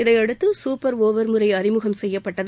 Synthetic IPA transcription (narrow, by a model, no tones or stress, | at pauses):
ɪðɐɪɐɽɯt̪ːɯsuːpːɐɾoːʋɐɾmɯɾɐɪɐɾɪmɯɣɐmsɛjːɐpːɐʈːɐð